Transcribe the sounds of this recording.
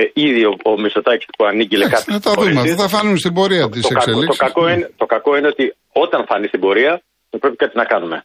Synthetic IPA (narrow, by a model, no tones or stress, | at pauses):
iðioomiso̞t̪ɐcispuɐniɡilekɐt̪iɐt̪ɐððumeɐiθɐfɐnunst̪ibo̞ɾiɐt̪isokɐselioskɐkoinet̪o̞kɐko̞ine̞o̞t̪i | o̞t̪ɐnfɐnist̪ibo̞ɾiɐ | θɐpɾepikɐt̪inɐkɐnume̞